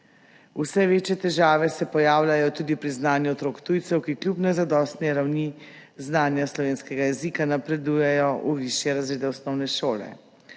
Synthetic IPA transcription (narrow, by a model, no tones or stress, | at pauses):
usɛʋeːt͡ʃjɛt̪ɛʒaːʋɛsɛpɔjaːwlʲajɔt̪uːd̪ipɾiznaːnjuɔt̪ɾoːkt̪ujt̪sɛwkiklʲjupnɛzad̪ɔːst̪nɛɾawni | znaːnjaslɔʋeːnskɛɡajɛzikanapɾɛd̪ujɛjɔʔuʋiʃjɛɾazɾeːd̪ɛɔsnɔwnɛʃoːlɛ̰